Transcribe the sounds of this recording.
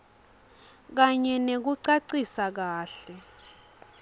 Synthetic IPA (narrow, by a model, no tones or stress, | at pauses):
k̬aɲɛnek̬uǀaǀisak̬aːɬɛ